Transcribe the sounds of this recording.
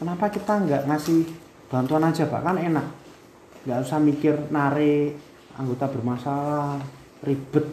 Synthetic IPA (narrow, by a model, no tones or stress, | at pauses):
kənapakit̪aŋɡaʔŋasɪh | b̥a̤nt̪uanḁd͡ʒ̥a̤b̥a̰kanenaʔ | ŋɡaʔɾusamikɪrnaɾe | a̰ŋɡot̪ab̥ərmasala | rib̥ət̪̚